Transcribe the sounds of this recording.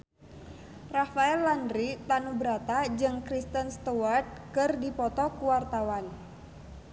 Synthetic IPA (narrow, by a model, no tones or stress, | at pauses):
rafaɛlːandɾit̪anubəɾat̪ad͡ʒɨŋkɾist̪ənst̪uart̪̚kɨrdipɔt̪ɔkuwart̪awan